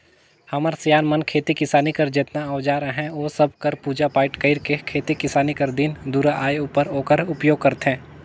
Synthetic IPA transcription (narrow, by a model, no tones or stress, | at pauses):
hɐməɾsjaːnmɐnkʰeːt̪ikɪsaːnikɐɾd͡ʒet̪naəʋd͡ʒaːɾəɦɛ̃oːsɐb̚kɐɾpuːd͡ʒapaːɪʈkɐɪɾkekʰeːt̪ikɪsaːnikɐɾd̪ɪnd̪uːɾaʔaːjuːpəɾoːkəɾʊpjoːɡ̚kɐɾt̪ɛ̃ː